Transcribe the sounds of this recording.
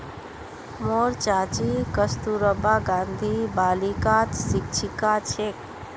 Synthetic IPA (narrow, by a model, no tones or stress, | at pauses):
moɾt͡ʃat͡ʃikəst̪uɾəbaɡãnd̪ʱibaːlikat̪sik̚t͡ʃʰikat͡ʃʰek